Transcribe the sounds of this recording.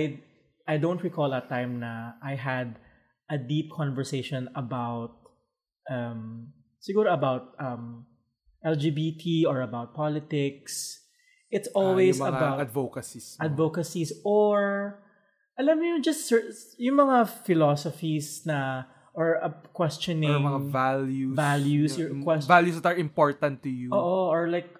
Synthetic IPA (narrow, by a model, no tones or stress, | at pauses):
j | ʔajd̪õʊ̃nt̪ɹikɔlɐt̪ːãjmnɐʔajɦɐd̪ | ʔɐd̪ip̚kʰɔ̃nvɛɹseɪʃɔ̃nɐbawt̪̚ | ʔɐm | sɪɡuːɾoɐbawt̪̚ʔɐm | ʔɛld͡ʒibit̪ʰiɔɹɐbawt̪̚palɪt̪ɪks | ʔɪt̪sʔɔlwejsmɐɐŋabawɐd̪vokɐsisad̪vokɐsisʔoɹ | ʔɐlɐmɲʊd͡ʒɐst̪sɛjʊŋmɐŋafɪlosɔfisnɐ | ʔɔɹɐkwɛst͡ʃɔnɪmɐŋaŋvaljuvaljusɔkwɛsvaljusd̪ɐt̪ɐɹɪ̃mpɔɹt̪ɐ̃nt̪ːʊjuʔoːʔoʔɔɹlajk̚